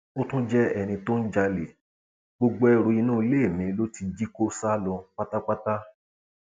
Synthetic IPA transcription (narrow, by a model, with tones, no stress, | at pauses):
o˦tũ˦d͡ʒɛ˦ɛ˧˨nĩ˧to˦n̩˦d͡ʒa˧le˨ | ɡ͡bo˧ɡ͡bo˧˦ɛ˧ɾo˧i˧nũː˦i˧le˦e˦˨mĩ˨˦lo˦ti˧d͡ʒi˦ko˦sa˦lɔ̃˧k͡pa˦ta˦k͡pa˦ta˦